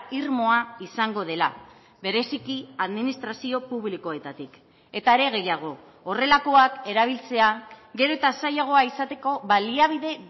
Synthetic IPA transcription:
iɾmo̞aisaŋɡo̞ðe̞la | βe̞ɾe̞sikiaðminist̪ɾasio̞puβliko̞e̞t̪at̪ik | e̞t̪aeɾe̞ɣ̞e̞jaɣ̞o̞ː | re̞lako̞ake̞ɾaβ̞ilt͡se̞aɣe̞ɾo̞et̪asajaɣ̞o̞aisat̪e̞ko̞βaliaβ̞iðe̞

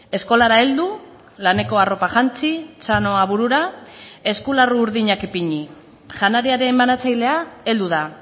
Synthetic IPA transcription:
e̞sko̞laɾae̞ld̪u | lane̞ko̞aro̞paχant͡sit͡ʃano̞aβuɾuɾae̞skularuːɾðiɲakipiɲi | ʝanaɾiaɾe̞manat͡sajle̞ae̞ld̪uða

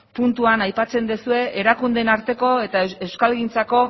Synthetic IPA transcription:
punt̪uanajpat͡se̞nd̪esue̞ʔeɾakund̪e̞naɾt̪e̞ko̞e̞t̪aewskalɣint͡sako̞

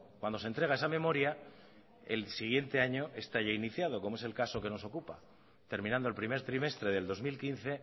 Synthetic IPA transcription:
kwand̪o̞se̞nt̪ɾe̞ɣae̞samẽ̞mo̞ɾja | e̞lsiɣ̞je̞nt̪e̞aɲo̞ʔe̞st̪aʝainiθjaðo̞ko̞moe̞s̬e̞lkaso̞ke̞no̞so̞kupa | t̪e̞ɾminãnd̪oelpɾime̞ɾt̪ɾime̞st̪ɾe̞ð̞e̞ld̪o̞zmilkinθe̞

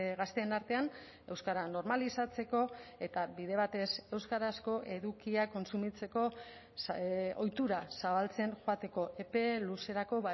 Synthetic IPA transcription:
ɣast̪eːnaɾt̪e̞an | e̞wskaɾano̞ɾmalisat͡se̞ko̞e̞t̪aβiðe̞βat̪e̞se̞wskaɾasko̞ʔe̞ðukiako̞nsumit͡se̞ko̞ | o̞jt̪uɾasaβalt͡se̞nʝoat̪e̞ko̞ʔe̞pe̞luse̞ɾako̞βa

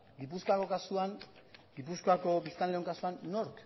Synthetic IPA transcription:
ɡipusko̞ako̞kasuaŋɡipusko̞ako̞bist̪anleo̞ŋkasuanːo̞ɾk

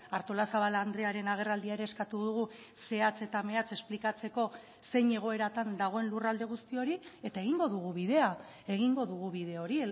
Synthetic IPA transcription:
aɾt̪o̞lasaβ̞alaːnd̪ɾe̞aɾe̞naɣ̞e̞rald̪iaeɾe̞ːskat̪uðuɣ̞u | se̞at͡se̞t̪ame̞at͡se̞splikat͡se̞ko̞ | se̞ɲe̞ɣ̞o̞e̞ɾat̪and̪aɣ̞o̞e̞nlurald̪e̞ɣ̞ust̪io̞ɾie̞t̪ae̞ɣ̞iŋɡo̞ðuɣuβiðe̞a | e̞ɣ̞iŋɡo̞ðuɣ̞uβiðe̞oɾi

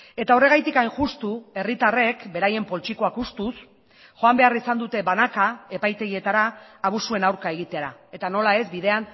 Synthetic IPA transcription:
e̞t̪ao̞re̞ɣ̞ajt̪ikajnʝust̪ue̞rit̪are̞kbe̞ɾaje̞mpo̞lt͡ʃiko̞akust̪us | ʝo̞ambe̞arisand̪ut̪e̞banakae̞pajt̪e̞ɣie̞t̪aɾaːβ̞usue̞nawɾkae̞ɣ̞it̪e̞ɾae̞t̪ano̞lae̞zbið̞e̞an

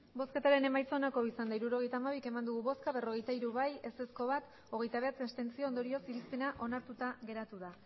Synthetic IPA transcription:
bo̞ske̞t̪aɾe̞ne̞majt͡so̞nako̞isand̪aiɾuɾo̞ɣ̞e̞jt̪aːmaβike̞mand̪uɣ̞uβo̞skaβe̞ro̞ɣe̞jt̪aiɾuβaje̞se̞sko̞βat̪ | oɣ̞e̞jt̪aβe̞at͡sest̪e̞nt͡sio̞ond̪o̞ɾio̞siɾispe̞naʔo̞naɾt̪ut̪aɣe̞ɾat̪uða

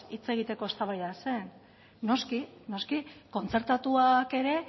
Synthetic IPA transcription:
it͡se̞ɣit̪e̞ko̞est̪aβajðase̞n | no̞skino̞skiko̞nt͡se̞ɾt̪at̪uake̞ɾe̞

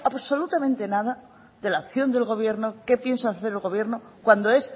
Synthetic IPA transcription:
aβso̞lut̪amẽnt̪e̞naða | ðe̞laːkθjo̞nd̪e̞lɣo̞β̞je̞ɾnoke̞pje̞nsaθeɾelɣo̞β̞je̞ɾno | kwand̪oe̞s

